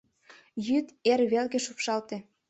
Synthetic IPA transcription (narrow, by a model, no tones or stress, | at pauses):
jyt̪erβelɣeʃupʃɑlt̪ĕ